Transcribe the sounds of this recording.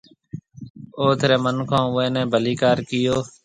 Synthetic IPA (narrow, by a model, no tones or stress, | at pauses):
oːt̪ʰəɾeːmənkʰõːʊẽːnɛ̃ːbʱəliːkaːɾkɪjoː